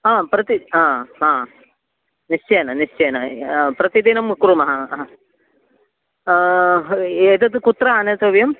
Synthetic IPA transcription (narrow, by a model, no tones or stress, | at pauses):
aːpɾɐt̪iaːaː | nist͡ʃejɐnɐnist͡ʃejɐnɐpɾɐt̪id̪inɐmkɾumɐɦɐ | eːt̪ɐt̪ɨkut̪ɾɐɐnɐt̪ɐʋjɐm